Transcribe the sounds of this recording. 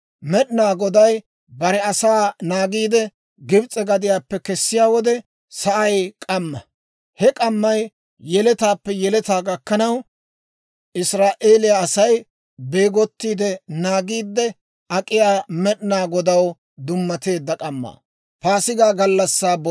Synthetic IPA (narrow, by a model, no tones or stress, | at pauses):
mɛɗnaːɡɔd̪ɐj | bɐɾɛɐsaːnaːɡiːd̪ɛ | ɡɪbt͡sʼɛɡɐd̪ɪjaːpːɛkɛsːɪjaːwɔd̪ɛ | sɐʔɐjkʼɐmːɐ | hɛkʼɐmːɐj | jɛlɛt̪aːpːɛjɛlɛt̪aːɡɐkːɐnɐw | ʔɪsɾaːʔeːlɪjaːsɐj | be̞ːɡɔt̪ːiːd̪ɛnaːɡiːd̪ːɛ | ʔɐkʼɪjaːmɛɗɪnaːɡɔd̪ɐw | d̪ʊmːɐt̪e̞ːd̪ːɐkʼɐmːa̰ː | paːsɪɡaːɡɐlːɐsːaːbɔ